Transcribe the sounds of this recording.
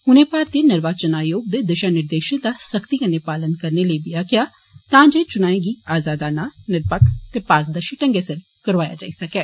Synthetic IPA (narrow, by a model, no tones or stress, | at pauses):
ʊnẽːpaːɾt̪iːnɪɾʋaːt͡ʃənaːjoːɡ̚d̪eːd̪əʃaːnɪɾd̪eːʃənd̪aːsəkt̪iːkənːepaːlənkəɾneːləibɪjaːkɪjaː | t̪ãːd͡ʒeːt͡ʃʊnaːẽːɡiːaːzaːd̪aːnaːnɪɾpəkt̪eːpaːɾk̚d̪aːʃɪʈə̃ŋɡeːsəɾ | kəɾʋaːja̰ːd͡ʒa̰ːisəkɛː